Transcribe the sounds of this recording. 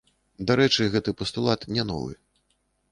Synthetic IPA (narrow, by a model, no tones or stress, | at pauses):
d̪aɾɛt͡ʂɨɣɛt̪ɨpɐst̪ulˠat̪nʲɛnɔ̰vɨ̰